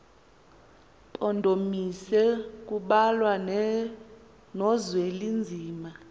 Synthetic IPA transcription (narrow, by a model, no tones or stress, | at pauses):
pʼɔndʱomisɛk̬ʼuɓalwa | nɔzwelind͡zʱiːma